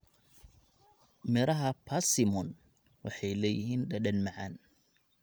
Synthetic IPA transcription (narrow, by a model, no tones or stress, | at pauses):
mɪɾɐɦɐpʰasɪmɔn | wɑħɑjlɛːjɪhiːnɗɐɗɐnmɑʕɑn